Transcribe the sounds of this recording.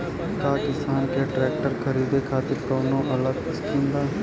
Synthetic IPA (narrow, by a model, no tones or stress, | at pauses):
kaːkɪst̪aːnkeːʈɾɛːk̚ʈəɾkʰəɾiːd̪eːkʰaːt̪eːpɾoːbnõːʔələɡɪsk̪ʰĩnd̪aː